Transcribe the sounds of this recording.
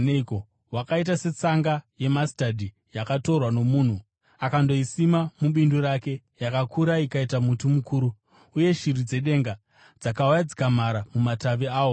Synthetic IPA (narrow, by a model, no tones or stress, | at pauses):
neiko | wakait̬ase̞t͡saŋɡaje̞mastadʱi | jakato̞rwano̞muːn̤u | akando̞isimamuɓinduɾake̞ | jakakʰuɾaikaitamutumukuːɾuː | je̞ʃiɾid͡ze̞ɗe̞ŋɡa | d͡zakaujad͡zi̥kam̤aɾamumataʋiaːwo̞